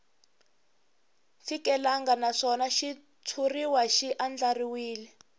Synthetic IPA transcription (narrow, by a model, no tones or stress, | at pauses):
fikɛlaŋɡanaʂɔnaʃi | t͡sʰuriwaʃiʔand͡ɮariwiːli